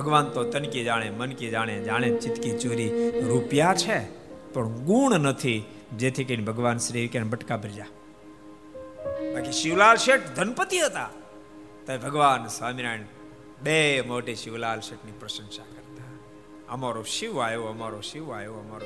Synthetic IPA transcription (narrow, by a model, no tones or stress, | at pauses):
bʱəɡʋant̪ot̪ənkid͡ʒaːɽ̃emənkid͡ʒaːɽ̃ed͡ʒaːɽ̃et͡ʃɪt̪kit͡ʃoɾiɾupjat͡ʃʰepəɳɡuɳnət̪ʰi | d͡ʒet̪ʰikənibʱəɡʋaːnsɾiʋkenbəʈkabʱɾid͡ʒa | t̪akiʃɪʋlaːlʃeʈd̪ʱənpət̪iɦət̪a | t̪oebʱəɡʋaːnsaːmiɾaiɳ | bemoːʈiʃɪʋlaːlʃeʈnipɾəʃə̃ŋʃakəɾt̪a | əmaɾoʃiʋaːjoəmaɾoʃiʋajoəmaɾo